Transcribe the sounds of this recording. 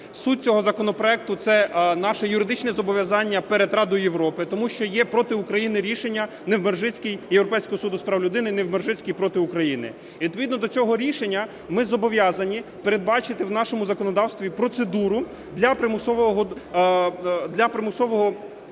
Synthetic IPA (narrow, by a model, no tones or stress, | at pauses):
sut̚ʲt͡sʲɔɦɔzɐkɔnɔpɾɔɛk̚t̪ʊt̪sɛnɑʃɛjʊɾɪd̪ɪt͡ʃnɛzɔbɔʋʲjɐzɑnʲːɐpeɾed̪rɑd̪ɔjʊjewɾɔpɪt̪ɔmuʃt͡ʃɔjɛpɾɔt̪ɪukɾɐjinɪɾʲiʃenʲːɐ | nɛwmerʒɪt͡sʲkʲijjewɾɔpɛjsʲkɔɦɔsud̪ʊspɾɑwlʲʊd̪ɪnɪnɛwmerʒɪt͡sʲkʲijpɾɔt̪ɪʊkɾɐjinɪ̰ | ʋʲit̪̚pɔʋʲid̪nɔd̪ɔt͡sʲɔɦɔɾʲiʃenʲːɐ | mɪzɔbɔʋʲjɑzɐnʲipeɾe̞d̪̚bɑt͡ʃɪt̪ɪwnɑʃɔmʊzɐkɔnɔd̪ɑwst̪ʋʲipɾɔt̪sed̪uɾʊ | d̪lʲɐpɾɪmʊsɔʋɔɦɔ | d̪lʲɐpɾɪmʊsɔʋɔɦɔ